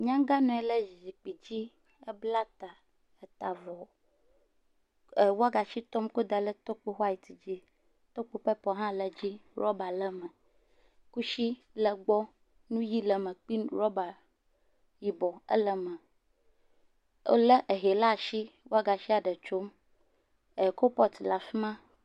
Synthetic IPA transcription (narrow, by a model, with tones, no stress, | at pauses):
ɲã˦ŋɡa˦nɔ̃˨ɛ˦lə˦zi˨zi˨k͡pi˨d͡ʑi˦ | ə˦bla˦t̪a˨ | ə˨t̪a˨vɔ˨ | wo˦a˦ɡa˨ʃi˦t̪ɔ˦mko˦d̪a˨lə˦t̪ɔ˦k͡po˦xa˦ji˨t̪i˨d͡ʑi˦ | t̪ɔ˦k͡po˦ɸə˦pɔ˦ɦã˦lə˨d͡ʑi˦ɾɔ˦ba˨lə˦mə̃˨ | ku˦ʃi˦ | lə˨ɡ͡bɔ˦ | nũ˦ji˦lə˨mə̃˨k͡pi˦ɾɔ˦ba˨ | ji˨bɔ˨ə̰˦lə˦mə̃˨˦ | lə˦ʔə˨ɦe˨la˦˨ʃi˦wo˦a˦ɡa˨ʃi˦a˨ɖə˨t͡ʃo˦m | e˨ko˦pɔ˦t̪la˨fi˦mã˦